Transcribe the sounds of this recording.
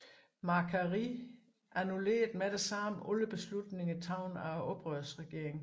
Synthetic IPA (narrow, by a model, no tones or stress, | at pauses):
mɑ̈kʰæʁi | ʔænule̝̰ːɐd̥med̥e̝sɑ̈m̩oləb̥e̝slud̥ne̝ŋit͡sʰɑ̈ʊ̰næɒ̽b̥ʁœsʁɛɡ̥e̝ɐ̰eŋ